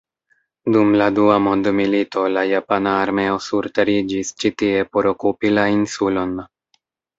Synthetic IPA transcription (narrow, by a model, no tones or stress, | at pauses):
d̪umlad̪uamond̪umilit̪olajapanaːɾmeosuɾt̪aɾid͡ʒist͡ʃit̪iepoɾokupilainsulona